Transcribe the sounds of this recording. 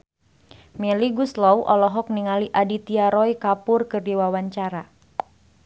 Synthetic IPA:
mɛliɡuslɔwʔɔ̰lɔɦɔk̚niŋaliʔadit̪iaɾɔjkapʊrkɨrdiwawaɲt͡ʃaɾa

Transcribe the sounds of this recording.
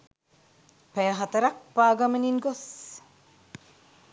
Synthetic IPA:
pæjɐɦɐt̪ɐɾɐk̚paːɡɐmeniŋɡos

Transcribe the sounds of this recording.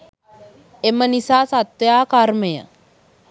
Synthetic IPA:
emənisaːsat̪ʋjaːkaɾməjə̰

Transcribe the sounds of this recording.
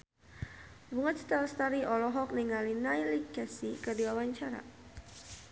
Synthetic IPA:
buŋət̪̚st̪ɛlst̪aɾiʔɔlɔɦɔk̚niŋalinajlikɛsikərdiwawaɲt͡ʃaɾa̰

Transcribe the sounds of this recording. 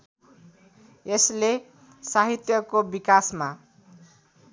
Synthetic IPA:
esle | saɦit̪jʌkobikasma

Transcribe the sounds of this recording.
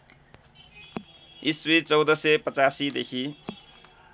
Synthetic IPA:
iswit͡sʌwd̪ʌsepʌt͡sasid̪ekʰi

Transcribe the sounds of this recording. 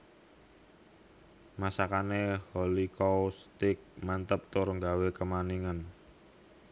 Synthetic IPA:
masakanehɔlikɔwust̪ɪk̚mant̪əp̚t̪oɾəŋɡawekəmaniŋən

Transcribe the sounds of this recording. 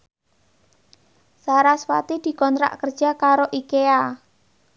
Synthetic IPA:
saɾaswa̰t̪id̪̥i̤kɔnt̪ɾa̰ʔkərd̥ʒ̥a̤kaɾoʔikea

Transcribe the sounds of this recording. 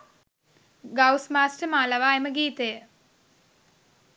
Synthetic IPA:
ɡawsmaːsʈəmaːlaʋaːeməɡiːt̪ejə

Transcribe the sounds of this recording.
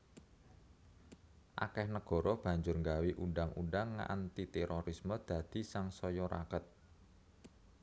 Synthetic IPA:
ʔa̰kɛhnəɡ̥ɔ̤ɾɔb̥ä̤ɲd͡ʒʊrŋɡawiʔunɖaŋunɖaŋːa̰nt̪it̪ɛɾoɾisməd̪̥ä̤d̪̥i̤saŋsɔjɔɾa̰kət̪̚

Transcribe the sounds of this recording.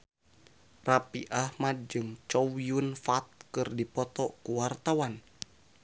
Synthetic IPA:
rapiʔahmad̚d͡ʒɨŋt͡ʃowiunfat̪̚kɨrdipɔt̪ɔkuwart̪awan

